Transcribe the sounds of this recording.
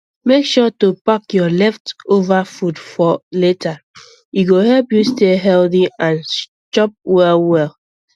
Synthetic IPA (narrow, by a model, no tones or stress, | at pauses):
mekʃɔtupakjɔlɛftovafudfɔletʰa | juɡohɛlpjusteɦɛlθiãn | t͡ʃɔp̚wɛlwɛl